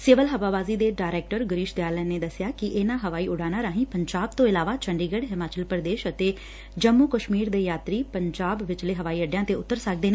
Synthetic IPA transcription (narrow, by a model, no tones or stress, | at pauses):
seːʋəlɦəʋaːbaːziːd̪eːɖaːɾɛːk̚ʈəɾɡəɾiːʃd̪jaːlɛːneːd̪əsɪjaːkɪʔɪnãːɦəʋaːiːʔʊɽaːnaːɾaːɦĩːpəɲd͡ʒaːb̚t̪õːɪlaːʋaːt͡ʃʰəɳɖiːɡəɽɦɪmaːt͡ʃəlpɾəd̪eːʃət̪eː | d͡ʒəmːuːkəʃmiːɾd̪eːjaːt̪ɾiːpəɲd͡ʒaːbʋɪt͡ʃleːɦəʋaːiːəɖjãːt̪eːʊt̪ːəɾsək̚d̪eːneː